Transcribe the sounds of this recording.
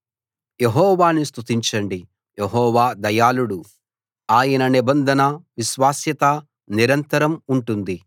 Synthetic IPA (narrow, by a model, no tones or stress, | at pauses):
jeɦɔːʋaːnist̪ʰut̪iɲt͡ʃɐɳɖi | jeɦɔːʋaːd̪ɐjaːluɽu | aːjɐnɐnibɐnd̪ʱɐnɐʋiʃʋaːsjɐt̪ɐ | niɾɐnt̪ɐɾɐmuɳʈund̪i